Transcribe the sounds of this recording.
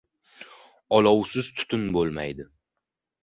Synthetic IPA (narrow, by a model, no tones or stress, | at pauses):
ɒlɒwsɪzt̪ʰʊ̥t̪ʰʊnbolˠma̰jd̪ɪ